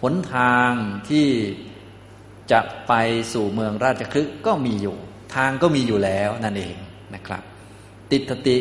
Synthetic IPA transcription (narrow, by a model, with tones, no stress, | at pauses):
pʰo˩˦nt̪ʰaː˧ŋt̪ʰiː˥˩ | t͡ɕa˨˩ʔpa˧jsuː˨˩mɯ˧əŋɾaː˥˩t̪̚t͡ɕʰa˧kʰɾɯ˦˥ʔkɔː˥˩miː˧juː˨˩t̪ʰaː˧ŋkɔː˥˩miː˧juː˨˩lɛː˦˥wna˥˩nʔḛː˧ŋ | na˦˥kʰɾa̰˦˥p̚ | t̪i˨˩t̪̚sʰa˧t̪i˨˩